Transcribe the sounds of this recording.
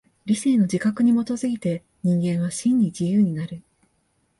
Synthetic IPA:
ɾʲise̞ːno̞d͡ʑikakɯ̟ɲ̟imo̞t̪o̞zɨɡʲit̪e̞ | ɲ̟ĩŋɡẽ̞ɰ̃β̞aɕĩɲ̟ːid͡ʑijɯ̟ːɲ̟inaɾɯ̟

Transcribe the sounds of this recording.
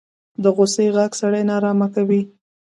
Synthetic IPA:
d̪əɣoseɣaɡsaɽajnɑɾɑmakawi

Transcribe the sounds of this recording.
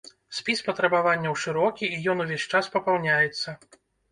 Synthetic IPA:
sʲpʲispɐt̪ɾɐbavanʲːɐwʂɨɾɔkʲiːjɔnuvʲesʲt͡ʂaspɐpawnʲajɛt̪sːɐ

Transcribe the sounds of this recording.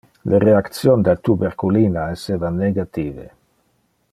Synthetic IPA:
lʔeɾeakt̪sjond̪alt̪ubeɾkuliːnaesːeːvanːeɡat̪iːvḛ

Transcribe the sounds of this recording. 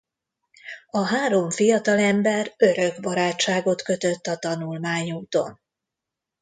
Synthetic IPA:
ɒɦaːɾo̞ɱfijɒt̪ɒlɛmbɛrø̞ɾø̞ɡbɒɾaːt͡ʃːaːɡo̞t̪kø̞t̪ø̞t̪ːɒt̪ɒnulmaːɲuːt̪o̞̰n

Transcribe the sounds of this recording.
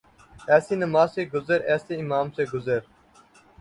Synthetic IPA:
ɛːsiːnɐmaːseːɡʊzɐɾɛːseimaːmseːɡʊzəɾ

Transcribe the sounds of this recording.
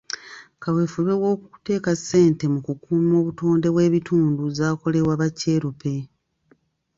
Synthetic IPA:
kawe̞ːfuβewo̞ːkuu̥te̞ːkase̞ːnte̞mukukuːmo̞ːβuto̞ːnde̞βwe̞ːβituːnduzaːko̞le̞βwaβace̞ːɾupe̞

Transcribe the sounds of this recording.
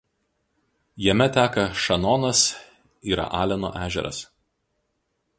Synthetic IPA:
jɛmʲɛt̪ʲæːkɐʃɐnɔːnɐs | iːɾɐ̰ʔɑːlʲɛnoːʔæːʒʲɛ̰ɾɐ̰s

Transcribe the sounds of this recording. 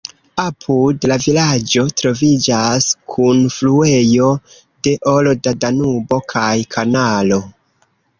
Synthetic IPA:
apʰudlavilad͡ʒo̞tɾo̞vid͡ʒaskʰunflue̞jo̞ | de̞ʔo̞lo̞dadanubo̞kʰajkʰanalo̞

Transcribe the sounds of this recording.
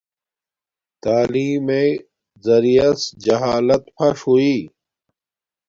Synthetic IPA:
t̪aːliːmẽ | zɐɾijɐsd͡ʑɐɦaːlɐt̪pʰɐʂɦuiː

